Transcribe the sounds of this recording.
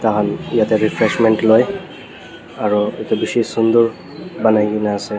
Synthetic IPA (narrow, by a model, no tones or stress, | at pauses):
takʰanijatɛɹipʰɹɛsmɛntloj | aɹuetubisisund̪uɹ | banajɡinaːsɛ